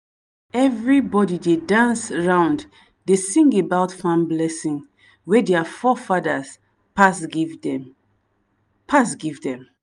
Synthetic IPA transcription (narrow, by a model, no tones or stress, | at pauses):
ɛvɹibɔdidedãnsɹãʊ̃nd | desĩŋɡebaʊtfãmblɛsĩŋ | wɛdeafɔfadəs | pasɡ | pʰas̬ɡivdɛ̃m